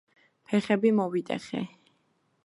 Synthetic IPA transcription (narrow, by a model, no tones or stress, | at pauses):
pʰɛχɛbimɔvit̪ʼɛ̰χɛ̰